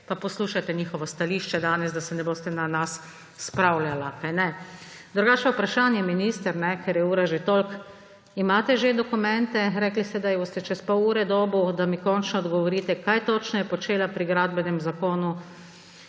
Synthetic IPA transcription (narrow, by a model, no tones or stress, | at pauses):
papɔsluːʃat̪ɛɲiːxɔʋɔst̪aliːʃt͡ʃɛd̪aːnɛzd̪asɛnɛboːst̪ɛnanasː | pɾawlalakajnɛd̪ɾuɡaːt͡ʃɛupɾaʃaːnjɛminiːst̪ɛɾnɛkɛɾjɛuːɾaʒet̪olk | imaːt̪ɛʒed̪ɔkumɛnt̪ɛɾɛklist̪ɛd̪ajboːst̪ɛt͡ʃɛspowuːɾɛd̪ɔːbud̪amikɔnt͡ʃnɔd̪ɡɔʋɔɾiːt̪ɛkajt̪ot͡ʃnɔjɛpɔt͡ʃeːlapɾiɡɾad̪bɛnɛmzakoːnu